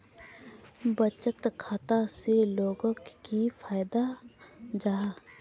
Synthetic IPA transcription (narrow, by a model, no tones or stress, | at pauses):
bət͡ʃət̪kʰaːt̪aseloːɡõkkifʰaːjd̪a | d͡ʒaːɦa